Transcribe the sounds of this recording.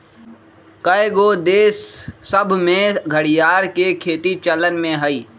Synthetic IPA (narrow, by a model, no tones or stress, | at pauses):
kəeɡoːd̪eːsːəbʱmẽɡʱəɽɪjaːɾkekʰeːt̪it͡ʃələnmẽɦəiː